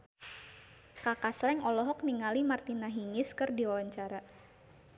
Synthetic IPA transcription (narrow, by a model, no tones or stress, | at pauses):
kakaslɛŋɔlɔɦɔk̚niŋalimart̪inaɦiŋɪskɨrdiwawaɲt͡ʃaɾa